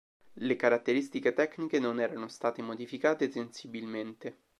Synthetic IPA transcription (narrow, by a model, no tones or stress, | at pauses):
lekaɾat̪ːeɾist̪iket̪ɛknikenonɛːɾanost̪aːt̪emod̪ifikaːt̪esensibilment̪e